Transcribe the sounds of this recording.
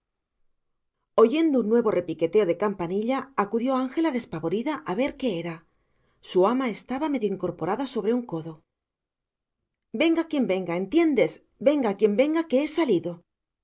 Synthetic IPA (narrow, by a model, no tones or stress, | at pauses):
o̞ʝe̞nd̪ounːwe̞βo̞re̞pike̞t̪e̞o̞ðe̞kampaniʎaːkuðjo̞aŋxe̞laðe̞spaβo̞ɾiðaʔaβe̞ɾke̞eɾa | suamae̞st̪aβame̞ðjoiŋko̞ɾpo̞ɾaðaso̞βɾe̞uŋko̞ðo̞ | be̞ŋɡakje̞mbe̞ŋɡae̞nt̪je̞nd̪e̞z | be̞ŋɡakje̞mbe̞ŋɡake̞esaliðo̞